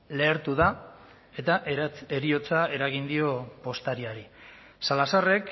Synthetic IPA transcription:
le̞ːɾt̪uða | e̞t̪aʔe̞ɾio̞t͡sae̞ɾaɣ̞ind̪io̞po̞st̪aɾiaɾi | salasare̞k

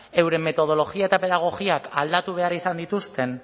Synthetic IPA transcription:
e̞wɾe̞me̞t̪o̞ð̞o̞lo̞ɣiae̞t̪ape̞ðaɣ̞o̞ɣiakald̪at̪uβ̞e̞aɾisand̪it̪ust̪e̞n

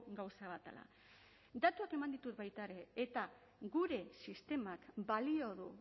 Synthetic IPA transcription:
ɡawsaβ̞at̪a̰la̰ | d̪at̪uake̞mand̪it̪ut̪bajt̪aeɾe̞ːt̪a | ɡuɾe̞sist̪e̞makbalio̞ðu

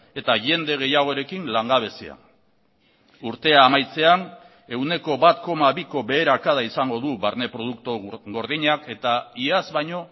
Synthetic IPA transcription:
e̞t̪aʝe̞nd̪e̞ɣ̞e̞jaɣ̞o̞eɾe̞kinlaŋɡaβ̞e̞sḛa̰ | uɾt̪e̞aːmajt͡se̞an | e̞wne̞ko̞βat̪ko̞maβiko̞βe̞ːɾakaðaisaŋɡo̞ðuβaɾne̞pɾo̞ð̞uk̚t̪oɣo̞ɾðiɲake̞t̪aiazβajɲo̞

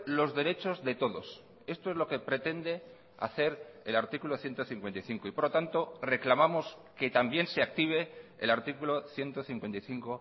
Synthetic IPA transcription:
lo̞zðe̞ɾe̞t͡ʃo̞zðe̞t̪o̞ðo̞s | e̞st̪o̞e̞zlo̞ke̞pɾe̞t̪e̞nd̪e | a̰θe̞ɾelaɾt̪ikuloθje̞nt̪oθiŋkwent̪ajθiŋkoipo̞ɾlo̞t̪ant̪o̞re̞klamamo̞s | ke̞t̪ambje̞nseak̚t̪iβ̞e̞ːlaɾt̪ikulo̞θje̞nt̪o̞θiŋkwe̞nt̪ajθiŋko̞

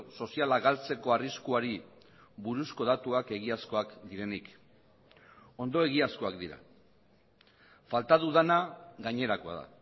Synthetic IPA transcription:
so̞sialaɣalt͡se̞ko̞ariskuaɾi | βuɾusko̞ð̞at̪uake̞ɣ̞iasko̞akd̪iɾe̞nik | o̞nd̪o̞e̞ɣiasko̞akd̪iɾa̰ | falt̪aðuðanaɣaɲe̞ɾako̞a̰ða̰

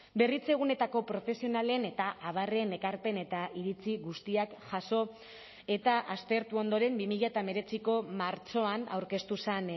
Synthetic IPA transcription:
be̞rit͡se̞ɣ̞une̞t̪ako̞pɾo̞fe̞sio̞nale̞ne̞t̪aʔaβ̞are̞ne̞kaɾpe̞ne̞t̪aʔiɾit͡siɣust̪iakʝaso̞ | e̞t̪aʔast̪e̞ɾt̪uo̞nd̪o̞ɾe̞mbimiʎat̪ame̞ɾe̞t͡siko̞maɾt͡ʃo̞ana̰wɾke̞st̪usen

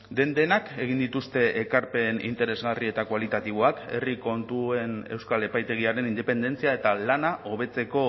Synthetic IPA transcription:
d̪e̞nd̪e̞nake̞ɣ̞ind̪it̪ust̪e̞ʔekaɾpe̞nḭnt̪e̞ɾe̞zɣarie̞t̪akwalit̪at̪iβ̞oake̞̰riko̞nt̪ue̞ne̞wskale̞pajt̪e̞ɣ̞iaɾe̞nind̪e̞pe̞nd̪e̞nt͡siae̞t̪alanaʔo̞β̞e̞t͡se̞ko̞

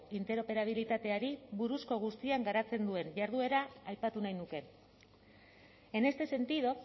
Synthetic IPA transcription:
int̪e̞ɾo̞pe̞ɾaβ̞ilit̪at̪e̞aɾiβuɾusko̞ɣ̞ust̪iaŋɡaɾat͡se̞nd̪ue̞nʝaɾð̞ue̞ɾaːjpat̪unajnuke̞ | e̞ne̞st̪e̞se̞nt̪ið̞o

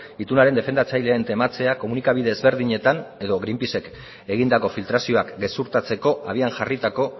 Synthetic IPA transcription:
it̪unaɾe̞nd̪e̞fe̞nd̪at͡sajle̞ent̪e̞mat͡se̞ako̞munikaβiðe̞ːzβe̞ɾð̞iɲe̞t̪ane̞ðo̞ɣɾimpise̞k | e̞ɣind̪ako̞filt̪ɾasio̞akɡe̞suɾt̪at͡se̞ko̞ʔaβ̞ianʝarit̪ako̞

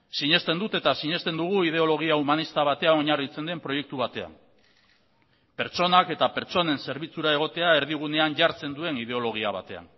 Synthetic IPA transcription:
siɲe̞st̪e̞nd̪ut̪e̞t̪asiɲe̞st̪e̞nd̪uɣ̞uið̞e̞o̞lo̞ɣ̞iaumanist̪aβ̞at̪e̞ano̞ɲarit͡se̞nd̪e̞mpɾo̞je̞k̚t̪uβ̞at̪e̞a̰m | pe̞ɾt͡ʃo̞nake̞t̪ape̞ɾt͡so̞ne̞nse̞ɾβit͡suɾae̞ɣ̞o̞t̪e̞ae̞ɾðiɣ̞une̞aɲɟaɾt͡se̞nd̪ue̞niðe̞o̞lo̞ɣ̞iaβ̞a̰t̪e̞a̰n

